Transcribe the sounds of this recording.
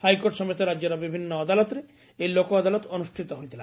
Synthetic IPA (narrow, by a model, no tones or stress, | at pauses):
hajkoʈʃɔmet̪eɾaːoɾabibʱinːɔad̪alɔt̪ɾe | elokoad̪alɔt̪onuʃʈʰit̪ɔɦojt̪ʰila̰